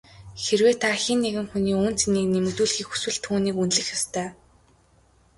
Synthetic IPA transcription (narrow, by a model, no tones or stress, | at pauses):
xerweːt̪ʰaxinːeɣɘ̆ŋxuniːuːn̥t͡seniːknemɵ̆t̪uːɮxiːkxu̥swɘ̆ɮt̪ʰuːniːkunɮɘ̆xjɔst̪ʰœː